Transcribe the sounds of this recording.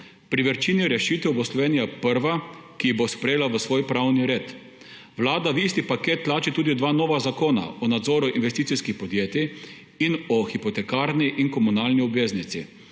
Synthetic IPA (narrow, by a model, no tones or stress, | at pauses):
pɾiʋəɾt͡ʃiːniɾɛʃiːt̪ɛwbɔslɔʋeːnijapəɾʋakibospɾɛjeːlaʋəsʋoːjpɾawniɾeːt̪ | ʋlaːd̪aʋist̪ipakeːt̪ːlaːt͡ʃit̪uːd̪id̪ʋaːnɔːʋazakoːna̰ɔnad̪zɔːɾuʔinʋɛst̪iːt̪iskixpɔd̪jeːt̪i | inɔxipɔt̪ɛkaːɾniʔiŋkɔmunalniubeːznit̪sḭ